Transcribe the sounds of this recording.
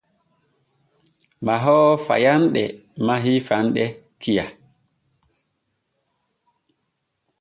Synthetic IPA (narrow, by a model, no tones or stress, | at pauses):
maɦɔːfa̰janɗɛ̰maɦifanɗɛ | kʰija